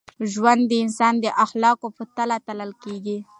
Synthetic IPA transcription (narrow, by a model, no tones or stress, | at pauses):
ʒwand̪ːəɪnsɑnd̪əʔaxlɑkopət̪alat̪aləlkeɡi